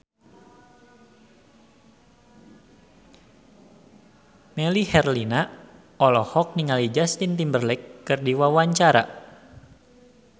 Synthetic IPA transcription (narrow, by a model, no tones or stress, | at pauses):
melihɛrlina | ɔlɔhɔk̚niŋalid͡ʒast̪int̪imbərlɛkːərdiwawaɲt͡ʃaɾa̰